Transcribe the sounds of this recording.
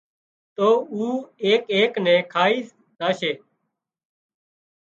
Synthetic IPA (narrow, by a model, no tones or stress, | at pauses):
t̪oːuːeːkeːknɛ̃ːkʰaːiː | d̪aːʃeː